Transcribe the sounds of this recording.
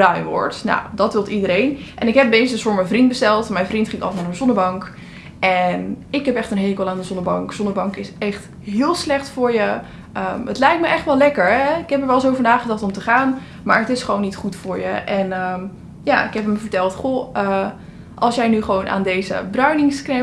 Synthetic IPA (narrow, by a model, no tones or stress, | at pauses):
brœɥnʋɔ̰ɹtna̰wdɑtʋɪlˠtidəɾejnʔɛnɪkɦɛp̚beːsəsfʊːɹməvrint̚bəstɛlˠtmɛjnvrintχɪ̃ŋɑ̰naːɹənzɔnəɹbɑŋk | ʔɛnɪkɦɛpɛχtənɦeːkəlˠaːndəzɔndəbɑŋkz̥ɔndəɹbɑŋkɪsɛχt | ɦɪːlˠslɛχtfʊːɹjə | ʔəətlɛjk̚tməjʔɛχtʋɛlˠɛkəɹɛɪkɦɛpəɹʋɛlˠsowvənaːχədɑχtɔmtəχaːn | ma̰ːɹətɪsχəʋownːitχutfʊːɹjə̰ʔɛnəm | jaɪkɦɛpəmvəɹtɛlˠtχoə | ʔɑlˠsjɛjnyχəʋownʔa̰ːndejzə̰brœɥnɪŋskrɛ